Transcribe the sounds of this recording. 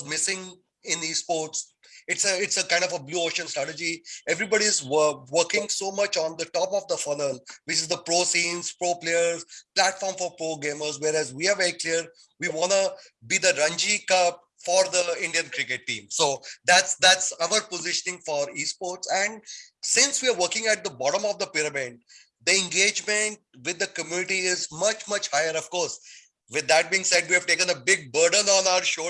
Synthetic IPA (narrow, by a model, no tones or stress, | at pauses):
zmɪsɪ̃ŋ | ɪ̃niːspoːɾʈs | ɪʈsəɪʈsəkãɪ̃ɳɖɔfəbluːoːʃə̃nsʈɾæʈəd͡ʒieʋɾibɔɖiɪzʋəɾkɪ̃ŋsoːmʌt͡ʃɔ̃nd̪əʈɔːpɔʋd̪əfʌnəlʋɪt͡ʃɪzd̪əpɾoːsĩːnzpɾoːpleəɾzplæʈfɔːɾmfɔɾpɾoːɡẽːməɾzʋeːɾæzʋiːaɾʋɛɾikliəɾ | ʋiʋɔ̃ːnu | bid̪əɾʌ̃nd͡ʒikʌp̚ | fɔːɾd̪əɪ̃ɳɖiə̃nkɾɪkeʈːḭ̃ːmsoːd̪æʈsd̪æʈsaʋəɾpozɪʃənɪ̃ŋfɔːɾiːspoːɾʈsæ̃ɳɖsɪ̃nsʋiaɾʋəɾkɪ̃ŋæʈ̚d̪əbɔːʈə̃mɔːʋd̪əpɪɾəmɪ̃ɳ | d̪əɛ̃ŋɡeːd͡ʒmẽɳʈ̚ʋɪd̪ːəkəmjunɪʈiɪzmʌt͡ʃmʌt͡ʃhaɪəɾɔʋkɔːɾs | ʋɪd̪ːæʈ̚biɪ̃ŋseɖ̚ʋiːæʋʈeːkə̃nəbɪɡ̚bəɾɖə̃nɔ̃ːnaʊəɾʃoː